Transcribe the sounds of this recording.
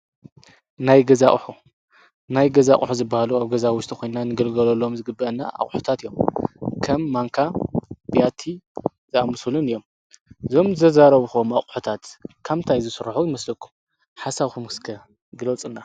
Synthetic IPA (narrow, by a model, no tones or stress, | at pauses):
najɡɐzaʔʼħu | najɡɐzaʔʼħuzɨbːahaluaβɡɐzawʊʃt̪ʰʼixʰʷojnnanɨɡɐlɡɐlolːo̞mzɨɡɨbːɐʔɐnːa̰ʔa̰χʼħu̥t̪ʰat̪ɨjːo̞mkʰɐmːaŋkʰabijat̪ʰi | zɨamɨsulunɨjo̞m | zo̞mzɨzʰɐzaɾɐβuxomaχʼħut̪ʰat̪kʰamt̪ʰajzɨsɨɾħujɪmɐslɐkʰːu̥m | ħasaβkʰumɨskʰɐ | ɡɨlɐt͡sʼɨnːa